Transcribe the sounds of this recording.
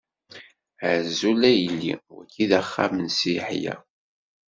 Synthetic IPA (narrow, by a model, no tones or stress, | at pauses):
əʕzulæjəlːḭwæ̰kʰːiðəχːa̰mənsiħjæ̰